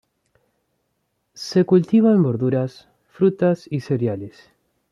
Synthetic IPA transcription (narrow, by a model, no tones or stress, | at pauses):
sekult̪iβ̞aemboɾðuɾas | fɾut̪asiseɾjales